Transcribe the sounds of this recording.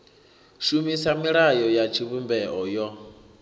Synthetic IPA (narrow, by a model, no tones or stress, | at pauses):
ʃumisamiɺajɔjat͡ʃʰiβumbɛʔɔjɔ